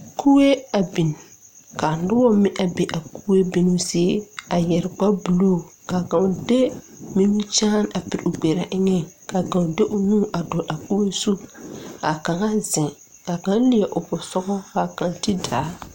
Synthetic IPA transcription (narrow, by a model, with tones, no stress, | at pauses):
kʰu˦we˦a˨bi˨n | ka˨n˦dʊ˦wɔ˦mɪ̃˦ʔa˨be˨ʔa˨ku˦we˦bi˦nu˦sɪ˦e˦a˨jɛ˨ɾɪ˨ɡ͡ba˦bu˨lo˦˨ | ka˨ɡã˨de˦ | mi˦m˦t͡ʃaː˦na˨pi˨ɾʊ˨ɡ͡bɛ˨ɾa˨ʔɪ˦ŋɛ˦ | ka˨ɡã˨de˦ʔʊ˨nũː˦˨ʔa˨dɔ˨ɾʔa˨ku˦we˦su˦a˨ka˨ŋa˦zɪ˨ŋ | ka˨ɡa˦n˦lɪ˨jɛ˨ʔʊ˨bʊ˨sɔ˦ɡɔ˦ka˨ka˨ŋ˨ti˦daː˨˦